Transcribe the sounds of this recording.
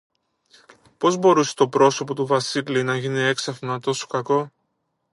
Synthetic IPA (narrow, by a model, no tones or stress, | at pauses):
po̞zbo̞ɾuse̥t̪o̞pɾo̞so̞po̞t̪uvɐsilinɐʝinie̞ksɐfnɐt̪o̞so̥kɐko̞